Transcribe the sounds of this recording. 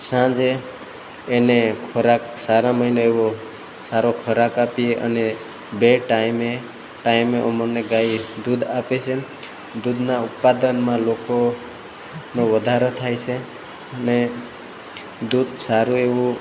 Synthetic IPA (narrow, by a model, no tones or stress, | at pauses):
sãd͡ʒeː | nekʰəɾaksaɾãməɦinoeʋo | saɾokʰəɾakapieʔə̰ne | beʈaime | ʈaimeʔɔməneɡaid̪ud̪apet͡ʃʰe | d̪ud̪naʊt̪̚pad̪ənmãloko | noʋəd̪ʱaɾot̪ʰajt͡ʃʰe | əne | d̪ud̪saɾũeʋũ